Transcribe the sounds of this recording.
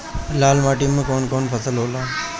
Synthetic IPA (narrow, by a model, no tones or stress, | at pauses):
laːlmaːʈimːẽkoːnkoːnpʰəsəlɦoːlaː